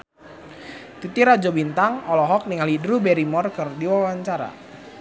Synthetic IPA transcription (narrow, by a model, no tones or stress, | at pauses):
t̪it̪iɾad͡ʒɔbint̪aŋɔlɔɦɔk̚niŋalidɾubɛɾimɔrkɨrdiwawaɲt͡ʃaɾa̰